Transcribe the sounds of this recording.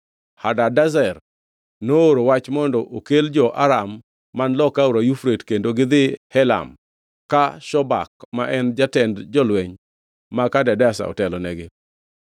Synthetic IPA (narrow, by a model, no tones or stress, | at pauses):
hadadazɛr | nooɾowat͡ʃmɔndɔʔokeld͡ʒɔʔaɾamː | anlɔkauɾajufɾetkendoɡɪd̪ɪhɛla̰m | kaʃɔba̰kmaʔɛnd͡ʒatɛndd͡ʒɔlwɛɲ | makadɛdasa̰ɔ̰tɛlɔnɛɡɪ